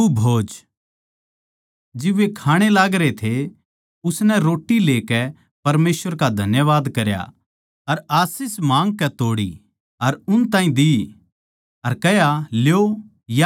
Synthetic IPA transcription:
ubʱoːd͡ʒ | d͡ʒɪʋekʰaːɽ̃elaːɡɾet̪ʰe | ʊsnɛɾoːʈːileːkɛ | pɐɾmeːsʋəɾkad̪ʱɐnjəʋaːd̪kɐɾja̰ | ɐɾaːsɪsmãːŋɡ̚kɛt̪oːɽḭ | ɐɾʊnt̪ãːĩd̪i | ɐɾkɛjaljo | ja

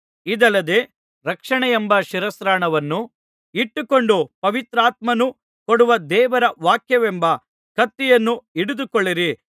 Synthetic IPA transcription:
id̪ɐlːɐd̪e̞ː | ɾɐkʂɐɳɛjembɐʃiɾɐsɾaːɳɐʋɐnːu | iʈːukoɳɖupɐʋit̪ɾaːt̪mɐnu | koɽuʋɐd̪ɛːʋɐɾɐʋaːkjɐʋembɐ | kɐt̪ːijɐnːuiɽud̪ukoɭːiɾi

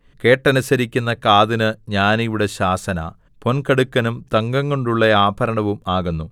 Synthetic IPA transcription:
ke̞ːʈːɐnusɐɾikʲːunːɐkaːðinɨɲaːniʋiɽe̞ɕaːsɐna̰ː | po̞nkɐɽukːɐnumt̪ɐŋɡɐŋːo̞ɳɖuɭːɐaːbʱɐɾɐɳɐʋumaːɣunːu

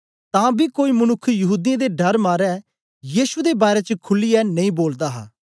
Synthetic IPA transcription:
t̪ãːbikoːimənʊkʰːjɐɦuːd̪ɪjãd̪eɖɐɾmaːɾɛː | jiːʃud̪ebaːɾet͡ʃəkʰʊlːijɛnɐ̃ĩːboːld̪aːɦa̰ː

